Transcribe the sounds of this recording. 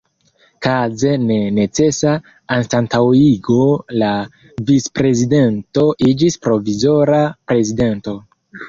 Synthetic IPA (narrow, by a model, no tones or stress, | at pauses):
kazene̞ne̞t͡se̞saː | nstantawiɡo̞la | vispɾe̞zide̞nto̞ʔid͡ʒispɾo̞vizo̞ɾapɾe̞zide̞nto̞